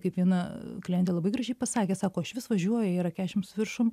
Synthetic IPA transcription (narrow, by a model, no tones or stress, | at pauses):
kɐɪpʋʲiɛnɐklʲɪiɛnʲt̪ʲeːlˠɐbɐɪɡɾɐʒʲɛɪpɐsɑːkʲeːsɑːkoːɐʃʋʲɪsʋɐʒʲuɔjɛːɾɐkʲæːʃʲɪmsʊʋʲɪrʃʊm